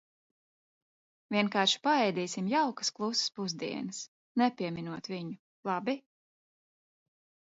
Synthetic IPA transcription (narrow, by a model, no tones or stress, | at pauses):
vʲiɛnkaːɾʃi̥paɛjd̪iːsimjawkɐ̥sklˠusspuzd̪ḭɛnɨs | nɛpʲiɛmʲinuɔt̪viɲu | lˠɑbi